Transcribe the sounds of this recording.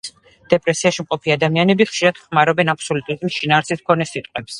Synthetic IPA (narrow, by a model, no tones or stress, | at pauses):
d̪̥ɛpʼɾɛsiaʃimqʼɔpʰiad̪amianɛbiχʃiɾad̪̥χmaɾɔbɛnapʰsɔlut̪ʼuɾad̪mʃinaːɾsiskʰɔnɛsit̪ʼqʼwɛps